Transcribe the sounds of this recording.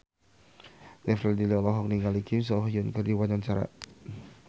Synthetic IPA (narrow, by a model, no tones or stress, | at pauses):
nɛfɾɛdiliɔlɔɦɔk̚niŋɡalikʰims̬ɔhjɔnkərdiwanant͡ʃaɾa̰